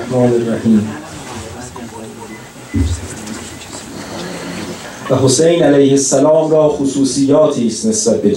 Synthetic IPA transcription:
hmɒːnerːahiːm | væɦosejnælæjhesːælɒːmɾɒːxosuːsijːɒːt̪ʰiːst̪ne̞sb̥æt̪̚bed̪

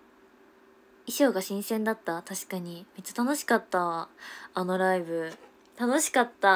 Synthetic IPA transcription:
iɕo̞ːɡaɕĩɰ̃sẽ̞nd̪at̪ːat̪aɕi̥kaɲ̟imet͡ɕːḁt̪ano̞ɕi̥kat̪ːaː | no̞ɾaibɯ̟ | t̪ano̞ɕi̥kat̪ːa

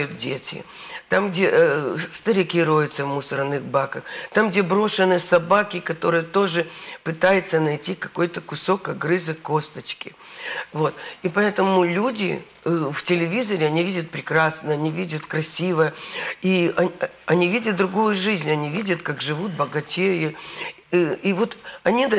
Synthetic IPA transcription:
jʊt̪̚dʲḛtʲɪ̰ | t̪amɡdʲest̪əɾʲɪkʲiɾojɪt̪səvmʊsəɾnɨxbakəxt̪amɡdʲe̞bɾo̞ʂɨnɨjsɐbakʲɪkɐt̪o̞ɾɨjət̪o̞ʐɨpɨt̪ajɪt̪sənɐjtʲikɐ̥ko̞jt̪əkʊso̞kɐɡɾɨzɨkːo̞st̪ət͡ɕkʲɪvo̞t̪ipɐɛt̪əmʊlʲudʲɪ̰ | ftʲɪlʲɪvʲizəɾʲɪɐnʲivʲidʲət̪̚pɾʲɪkɾasnəjəɐnʲivʲidʲət̪kɾɐsʲivəjəiɐ | ɐnʲivʲidʲət̪̚d̪ɾʊɡujʊʐɨzʲnʲɐnʲivʲidʲət̪kakʐɨvut̪̚bəɡɐtʲei | ivo̞t̪ɐnʲi

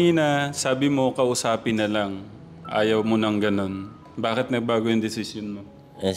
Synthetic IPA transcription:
inɐsaːbɪmo̞kɐʔʊsaːpɪnːɐlaŋ | ʔa̰ːjɐwmonɐŋɡɐno̞n | baːkɪt̪̚nɐɡ̚baːɡojʊŋd̪ɪsɪsjonmo

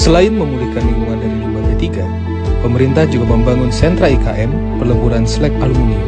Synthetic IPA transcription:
səlaɪnməmulihkanːimuŋandaɾiumaat̪iɡa | pəməɾint̪ahd͡ʒuɡaməmbaŋʊnsɛnt̪ɾaikaʔɛm | pərləbuɾanslɛk̚alumuni

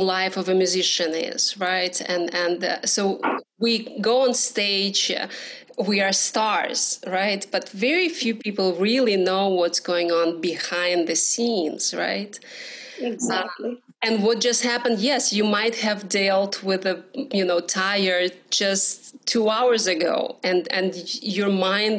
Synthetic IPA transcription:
laɪfʌvɨmjʉzɪʃɨ̃nɪ̰z̥ɹaɪtɨ̃nɨ̃nsoʊwiɡoʊə̃nsteɪd͡ʒ | wiə˞stɑɹz̥ɹaɪt̚b̥ʌtvɛɹifjʉpipl̩ˠɹɪlˠinoʊwʌtsɡ̥oʊɪ̃ŋə̃nbɨhãɪ̃nd̪ðɨsĩnz̥ɹa̰ɪt̚ | ʌ | ɨ̃nwʌt̚d̥ʒ̥ʌst̚hæpɨ̃ndjɛsjɨmaɪt̚hɨvdelˠt̚ʰwɪðɨjɨnoʊtʰaɪə˞d͡ʒʌsttʰuaʊə˞zɨɡo̰ʊɨ̃nɨ̃njə˞mãɪ̃n

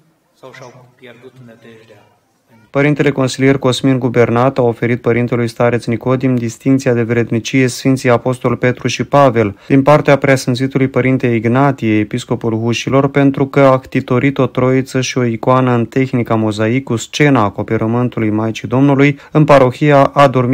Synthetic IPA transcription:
pəɾint̪e̞le̞ko̞nsilije̞rko̞sminɡube̞rnat̪ao̞fe̞ɾit̪̚pəɾint̪e̞lujst̪aɾe̞t̪sniko̞d̪imd̪ist̪iŋkt̪siad̪e̞vɾe̞d̪mit͡ʃije̞sfint̪siapo̞st̪o̞lpe̞t̪ɾuʃipave̞ld̪inpart̪eapɾasɨnzit̪ulujpəɾint̪e̞iɡnat̪ijeepisko̞pulɦuʃilo̞rpe̞nt̪ɾukəakt̪it̪o̞ɾʔit̪o̞t̪ɾo̞it̪səʃio̞ikoanəɨnt̪e̞xnikamo̞zaikːust͡ʃe̞naːko̞peɾʔəmɨnt̪ulujmajt͡ʃid̪o̞mnulujɨnpaɾo̞xijaʔad̪o̞rm

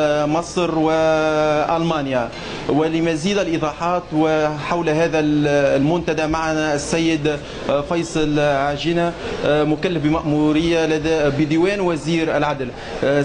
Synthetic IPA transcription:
mɨsˤɾwɪʔɑlmɑːnja | wɪlɪmæziːd̪alʔɨðˤɑːħɑːt̪wɪħawlɦæːðællmʊnt̪ad̪amaʕanasːajːəd̪ | fɑjsˤlʕaːʒɪnamʊkalːəfbɪmaʔmuɾɪjːalad̪bɪd̪ɪwɛːnwæziːɾɪlʕad̪l

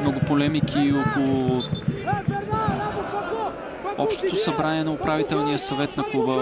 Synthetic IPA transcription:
mnoɡʊpolɛmikʰiokolˠʊ | ɔpʃt̪o̥t̪osɐbɾaniɛnɐʊpɾavit̪ɛlˠnijəsɐvɛt̪nɐklˠubə

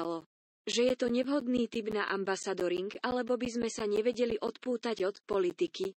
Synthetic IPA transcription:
lɔ | ʒɛjɛt̪ɔɲɛʋɦɔd̪niːt̪ibnaʔambasad̪ɔɾiŋɡalɛbɔbizmɛsaɲɛʋɛɟɛliʔɔt̪puːt̪aɟɔt̪pɔlit̪iki

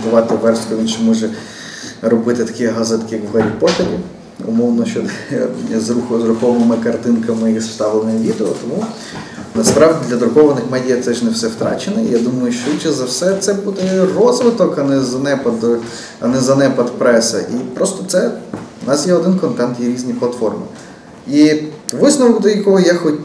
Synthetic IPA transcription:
bʊʋɑt̪ɪʋɛrskɔʋʲinʃmɔʒɛ | ɾɔbɪt̪ɪt̪ɐ̥kʲijɦɑzɪt̪ɐkʲɪjɐkʋɦɐɾʲipɔt̪ʲeɾʲi | ʊ̰mɔwnɔʃt͡ʃɔ | zɾuxzɾʊkɔʋɐnɪmɪkɐrt̪ɪnkɐmɪji̥st̪ɑʋlˠenɪʋʲid̪eɔ̰t̪ɔmu | nɐspɾɑwdʲid̪ʲlʲɐd̪ɾʊkɔʋɐnɪxmɛdʲijɐt̪sɛʒnɛwsɛwt̪ɾɑ̰t͡ʃenɪḭjad̪umɐjʊʃt͡ʃɔit͡ʃɛzɐwsɛt̪sɛbud̪ɛrɔzʋɪt̪ɔkɐnɛzɐnɛpɐd̪ | ɐnɛzɐnɛpɐt̪pɾɛsɐ̰ʔipɾɔst̪ɔt̪sɛʊnɑsjɛɔd̪ɪnkɔnt̪ɛnt̪jɛɾʲizʲnʲiplˠɐt̪fɔrmɪ̰ | iʋɪsnɔʋkd̪ɔjɐkɔɦɔjaxɔt̚ʲ

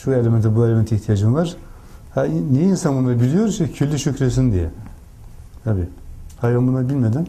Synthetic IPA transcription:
ʃuelʲemɛnt̪ʰɛbuelʲemɛnt̪ʰiht̪ʰijad͡ʒɯmvˠaɾ̥ | hainejinsanbunaɾbilʲijo̞ɾuʃɛcʰylʲːyʃykɾesind̪ijɛ̰ | t̪ʰabiːhajɡanbunabilʲmed̪in

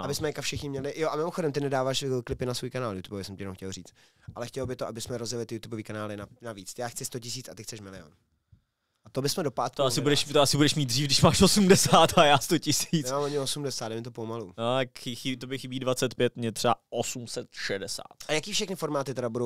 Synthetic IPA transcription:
abɪsmɛɲɛkafʃɛxɲɪmɲɛlɪjoʔamɪmoxodɛmt̪ɪnɛdaːvaːʃklɪpɪnasvuːjkanaːljut̪ubovɪsɛmcɪjɛnmxcɛlriːt͡st̪̚ | ʔalɛxcɛlobɪt̪oʔabɪsmɛɾozjɛlɪt̪ɪjut̪uboviːkanaːlɪnanaviːt͡sjaːxt͡sɪst̪ocɪs̬iːt͡sat̪ɪxt͡sɛʃmɪlɪo̰n | ʔat̪obɪsmɛdo̞paːt̪oassɪbudɛʃt̪oasɪbudɛʃmiːd̪̚d̪riːfdɪʃmaːʃosumdɛsaːt̪ajaːst̪ocɪsiːaoɲɪosumdɛsaːd̪dɛmɪt̪opomaluːnot̪akɪxɪt̪obɪxɪbiːdvat͡sɛt̪pjɛt̪mɲɛt̪r̥ɛa̰ʔosumsɛt̪ʃɛdɛsa̰ːt̪ajakiːfʃɛxnɪfo̞ɾmaːt̪ɪt̪ɛɾabudow

